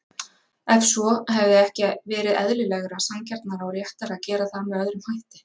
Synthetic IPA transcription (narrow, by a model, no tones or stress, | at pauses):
ɛfsɔɦɛvðɪɛhcɪvɛːɾɪðɛ̰ðlɪlɛɣɾasamcɛɾt̪̚naɾawɾjɛht̪aɾaðcɛːɾaθamɛœðɾʏmhajht̪ɪ̥